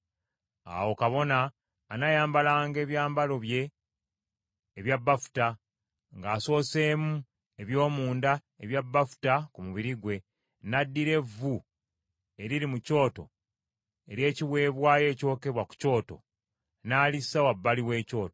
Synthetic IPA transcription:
a̰wo̞kaβo̞naː | najaːmbalaːŋɡe̞ːβjaːmbalo̞βje̞ | βjabːafu̥ta | ŋɡaːso̞ːse̞ːmu | e̞βjo̞ːmuːnda | eβjabːafu̥takumuβiɾiɡwe̞ | nadːiɾe̞vu | e̞ɾiɾimuco̞ːto̞̰ | e̞ɾje̞ːciwe̞ːβwaːje̞ːco̞ːke̞βwaku̥co̞ːto̞̰ | naːlisawabːaliwe̞ːco̞ːto

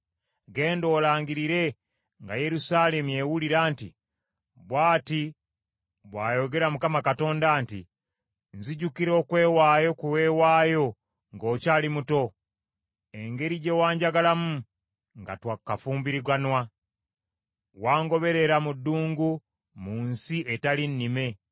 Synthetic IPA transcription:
ɡe̞ːndo̞ːlaːŋɡiɾiɾe̞ | ŋɡaje̞ɾusaːle̞muje̞wuliɾaːnti | βwaːti | βwaːjo̞ɡe̞ɾamukamakato̞ːndaːntḭ | nziɟukiɾo̞ːkwe̞ːwaːjo̞kuwe̞ːwaːjo̞ | ŋɡo̞ːcaːlimuto̞ | e̞ŋɡe̞ɾiɟe̞waːɲɟaɡalamu | ŋɡa̰twakːafuːmbiɾiɡanwa | waːŋɡo̞βe̞ɾe̞ɾamudːuːŋɡu | muːnsiʔetalinːime̞

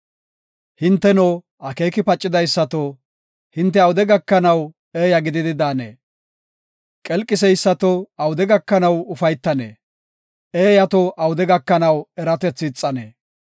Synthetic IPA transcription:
hɪnt̪ːɛnoː | ʔɐke̞ːkɪpɐt͡ʃʼːɪd̪ɐjsːɐt̪o | hɪnt̪ːɛɐwʊd̪ɛɡɐkːɐnɐw | eːjɐɡɪd̪ɪd̪ɪd̪aːnḛː | kʼɛlkʼːɪsɛjsːɐt̪oɐwʊd̪ɛɡɐkːɐnɐwʊfɐjt̪ːɐnḛː | eːjɐt̪ɔʔɐwʊd̪ɛɡɐkːɐnɐwɛɾɐt̪ɛt͡sːɪːt͡sʼːɐnḛː

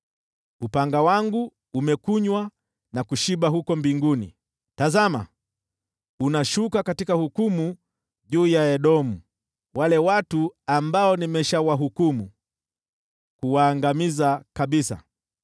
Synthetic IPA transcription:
upaŋɡawaŋɡuː | mɛkuɲwa | nakuʃiɓaɦukɔmbiŋɡunḭ | tazama̰ | unaʃukakatikahukumu | ʄuːjaɛɗɔmu | walɛwatuambaɔnimɛʃawaɦukumu | kuwaːŋɡamizakaɓisa̰

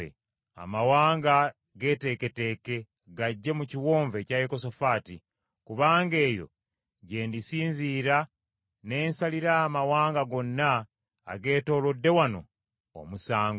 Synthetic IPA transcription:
ḛ | a̰mawaːŋɡa | ɡe̞te̞ke̞te̞ke̞ | ɡaɟːe̞muciwo̞ːɱve̞cajeko̞sofaːti | kuβaːŋɡe̞ːjo̞̰ | ɟe̞ːndisiːnziːɾa | ne̞ːnsaliɾaːmawaːŋɡaɡo̞nːa̰ː | ɡe̞ːto̞ːlodːe̞wano̰ː | musaːŋɡo

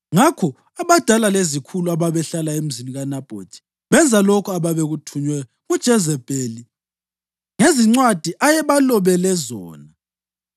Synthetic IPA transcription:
ŋakʰɔ | aβad̥ʱalalezikʰuluaβaβɛɬalaem̩ziniɣanab̥ʱod̥ʰʱi̥ | βɛnd͡zʱalokʰɔaβaβeɣutʰuɲwɛjɔ | ŋud̥ʒ̥ʱɛzɛb̥ʱeli | ŋeziŋ͡ǀwad̥ʱiʔajɛβalɔβɛlɛzɔ̰ːna

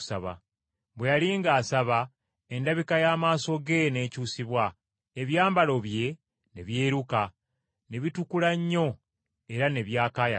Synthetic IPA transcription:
saβa̰ | βwe̞jaliːŋɡaːsaβa | e̞ndaβikajaːmaːso̞ɡe̞ne̞ːcuːsiβwa | e̞βjaːmbalo̞βje̞ | ne̞̰βje̞ːɾuka | ne̞βitukulaɲːo̞ | e̞ɾane̞βjaːkaːja̰

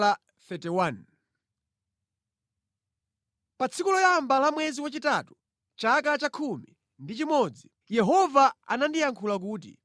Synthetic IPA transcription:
a | fɛtɛwan | pat͡sʰikulɔjambalamwɛziwat͡ʃitatu̥ | t͡ʃak̬at͡ʃakʰumi | ndit͡ʃimɔd͡zi | jɛɦɔvaa̰nandijaŋkʰulak̬uːt̬ḭ

